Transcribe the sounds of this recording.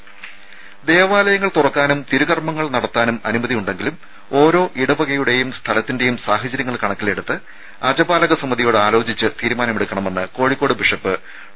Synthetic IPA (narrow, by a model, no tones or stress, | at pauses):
d̪e̞ːʋaːlɐjɐŋːɐɭt̪urɐkːaːnumt̪iɾuɣɐrmɐŋːɐɭnɐɽɐt̪ːaːnumɐnumɐðijuɳɖe̞ŋɡilum | o̞ːɾo̞ːʔiɽɐbɐɣɐjuɽe̞jumst̪ʰɐlɐt̪ːinde̞jumsaːhɐt͡ɕɐɾjɐŋːɐɭkɐɳɐkːile̞ɽut̪ːɨ | ɐd͡ʑɐbaːlɐɣɐsɐmːɐðijo̞ːɽɨaːlo̞ːt͡ɕit͡ɕːɨt̪iːɾumaːnɐmeɽukːɐɳɐme̞nːɨko̞ːɻikːo̞ːɽɨbiʂɐpːɨ